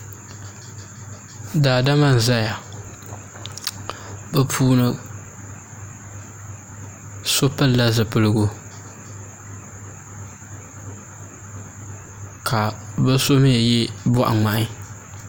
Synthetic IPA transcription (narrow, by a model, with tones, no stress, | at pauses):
daː˨da˦ma˦n̩˨za˦ja˨ | bɨ˦pʰuː˦nɨ˦ | so˦pɨ˦lla˦zɨ˨pɨ˦lɨ˦ɡʊ˦ | kʰa˨bɨ˦so˦m˦ja˨jɛ˦bɔ˦ʔa̰˨ŋ͡ma˨ʔɪ˦